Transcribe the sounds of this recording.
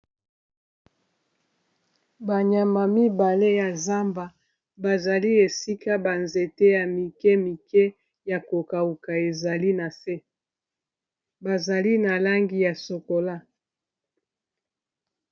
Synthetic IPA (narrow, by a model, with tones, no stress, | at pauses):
ba˨ɲa˨ma˨mi˦ba˨le˦ja˨za˦mba˨ | ba˨za˨li˦e˨si˦ka˦ba˨nze˨te˦ja˨mi˨kɛ˦mi˨kɛ˦ | ja˨ko˨ka˨u˨ka˨e˨za˨li˦na˨se˦ | ba˨za˨li˦na˨la˦ŋɡi˦ja˨so˨ko˨la˦